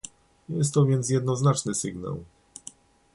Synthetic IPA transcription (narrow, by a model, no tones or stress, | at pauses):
jɛst̪ːɔvʲjɛnt̪sjɛd̪nɔznat͡ʂnɘsɘɡna̰w